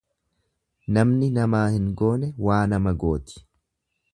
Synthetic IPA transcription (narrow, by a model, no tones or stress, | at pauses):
nɐmnɪnɐmaːhɪŋɡo̞ːnɛwaːnɐmɐɡo̞ːt̪ɪ̥